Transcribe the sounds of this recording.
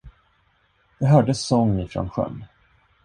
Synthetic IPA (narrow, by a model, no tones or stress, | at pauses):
d̪̥ɛɦœːɖəsɔŋːɪfɾɔ̰nɧœ̰nː